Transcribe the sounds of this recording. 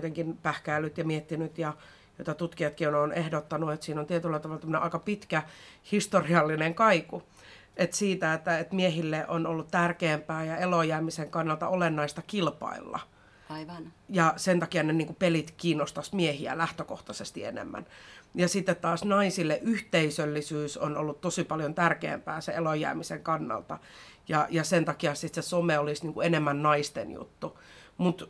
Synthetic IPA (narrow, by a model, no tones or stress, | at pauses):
t̪eŋkinpæhkæːlːyt̪jɑmiet̪ːinyt̪jɑ | jot̪ɑt̪ut̪kiɑt̪kiononehdot̪ːɑnuet̪siːnont̪iet̪ylːæt̪ɑʋɑlːɑt̪æmːəneʔɑikɑpit̪kæhist̪oriɑlːineŋkɑiku | et̪siːt̪æet̪ːæet̪miehilːeʔonolːut̪t̪ærkeːmpæːjɑelojæːmiseŋkɑnːɑlt̪ɑ̰olenːɑist̪ɑkilpɑ̰ilːɑ̰ | jɑsent̪ɑkiɑneniːŋkupelit̪kiːnːost̪ɑsmiehiæ̰læht̪økoht̪ɑsest̪iḛnḛmːæ̰njɑsit̪ːet̪t̪ɑːsnɑisilːeʔʔyht̪eisølːisyːsono̰lːutt̪osipɑljont̪ærkḛːmpæːseelojæ̰ːmiseŋkɑnːɑ̰lt̪ɑ | jɑjɑsent̪ɑkiɑsit̪sesomeolisniːŋkuenemːænnɑist̪ḛnjṵt̪ːumut̪